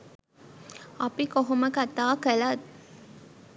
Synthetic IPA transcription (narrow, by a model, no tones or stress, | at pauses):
ɐpikoɦoməkat̪aːkəlat̪